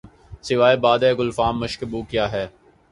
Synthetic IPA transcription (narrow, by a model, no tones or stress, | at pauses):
sɪʋaːebaːd̪eːɡʊlfaːmːʊʃkəbuːkjaːɦɛː